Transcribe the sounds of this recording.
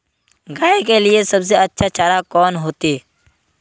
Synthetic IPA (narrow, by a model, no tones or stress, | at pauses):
ɡaːekelɪesəbs̬eətːʃʰat͡ʃaːɾakɔːnɦoːt̪iː